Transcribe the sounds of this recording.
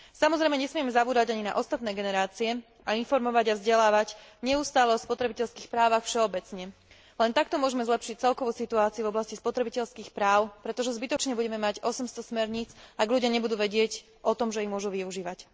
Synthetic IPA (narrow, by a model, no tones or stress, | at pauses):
samɔzɾɛjmɛɲɛsmɪɛmɛzabuːd̪aɟaɲina̰ʔɔst̪at̪nɛːɡɛnɛɾaːt͡siɛ | ainfɔɾmɔʋaɟavzɟɛlaːʋaɟɲɛust̪aːlɛɔspɔt̪ɾɛbicɛʎskiːxpɾaːʋaxfʃɛɔbɛt͡sɲɛ | lɛnt̪akt̪ɔmʊɔʒɛmɛzlɛpʃic̚t͡sɛlkɔʋusit̪uaːt͡siuvɔblascispɔt̪ɾɛbicɛʎskiːxpɾaːʊpɾɛt̪ɔʒɛzbit̪ɔt͡ʃɲɛbuɟɛmɛmaɟɔsɛmst̪ɔsmɛɾɲit͡saɡʎuɟɪaɲɛbud̪uːʋɛɟɪɛc | ʔɔt̪ɔmʒɛimʊɔʒuʋiuʒiːʋac